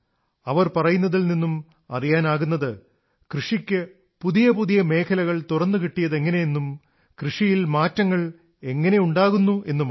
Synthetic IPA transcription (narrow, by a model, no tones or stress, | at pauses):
ɐʋɐrpɐrɐjunːɐðilninːum | ɐ̰rijaːnaːɣunːɐðɨ | krɨʂikʲːɨ | puðijɐpuðijɐme̞ːkʰɐlɐɣɐɭt̪urɐnːɨkiʈːijɐðe̞ŋːɐne̞jenːum | krɨʂijilmaːtːɐŋːɐɭ | e̞ŋːɐne̞uɳɖaːɣunːuʔe̞nːumː